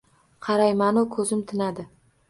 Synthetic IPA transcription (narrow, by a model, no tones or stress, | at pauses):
qʰɑɾajmanʊkʰɵzɪmt̪ʰɪnad̪ɪ